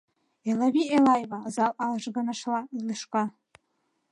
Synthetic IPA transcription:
elabielajvazalalʐɡanaʂlailɨʂkʷʼa

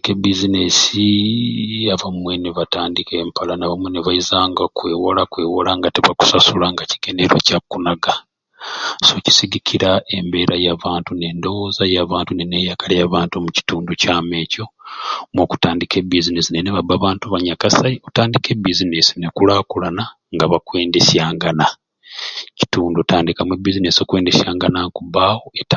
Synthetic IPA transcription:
kebizinesi | aβamwe̞neβataːndike̞ːmpalanaβamweneβaizaːŋɡakwe̞ːwolakwe̞wolaŋɡateβaku̥sasulaŋɡaci̥ɡ̥e̞neɾwecakunaɡa | so̞ci̥siɡikʰiɾae̞mbe̞ːɾajaːβaːntune̞ndo̞wozajaːβaːntunenejakalejaβaːntumuci̥tuːnducaːme̞ːco̞moku̥taːndikʰe̞bizinesineneβabaːβaːntuβaɲakasaiotaːndike̞bizinesi̥nekulakulana | ŋɡaβakwe̞ːndesjaːŋɡana | ci̥tuːndotaːndikamwebizinesio̞kwe̞ːndesjaːŋɡanakuβaːwoeta

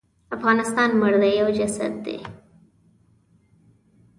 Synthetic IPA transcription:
afɣɑnɪst̪ɑnməɽd̪ajawd͡ʒasa̰d̪ːḛ

